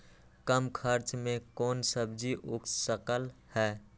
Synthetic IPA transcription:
kəmkʰəɾt͡ʃmẽkɔːnsəb̚d͡ʒiʔʊkssəkəlhɛː

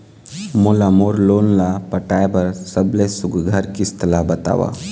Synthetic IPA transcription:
molamoːɾloːnlapəʈaːjbəɾsəblesʊɡɡʱəɾkist̪ʰəlabət̪a̰ːʋa̰

